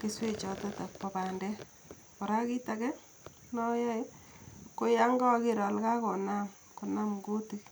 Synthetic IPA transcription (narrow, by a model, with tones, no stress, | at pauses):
ke˦swe˦t͡ʃɔ˨tɔ˦ta˨pɔ˨pa˨ndɛ˦ | pɔ˨ɾa˦ki˦ta˨kɛ˦ | nɔ˦jɔ˦j | ko˦ja˦ŋɡa˦ke˦˨ɾɔ˨lka˦ko˨na˦m | ko˨na˦mɡo˦ti˦k